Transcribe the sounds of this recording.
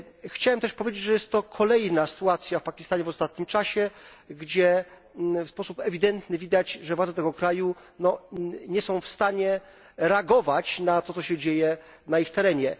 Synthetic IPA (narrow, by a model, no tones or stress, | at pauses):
xt͡ɕawɛmt̪ɛʂpɔvʲed͡ʑed͡ʑʐɛjɛst̪ːɔkʰɔlɛjnasɨ̥t̪uat̪sʲjafpakʲi̥st̪aɲɛvɔst̪at̪̚ɲimt͡ʂaɕɛɡd͡ʑɛ | fspɔsupɛvʲid̪ɛnt̪nɘvʲid̪at͡ɕʐɛvwad̪ɛt̪ɛɡɔkɾaju | nɔɲɛsɔ̃w̃fst̪aɲɛ | ɾɛaɡɔvat͡ɕnat̪ɔt̪sɔɕɛd͡ʑejɛ | naixt̪ɛɾɛɲɛ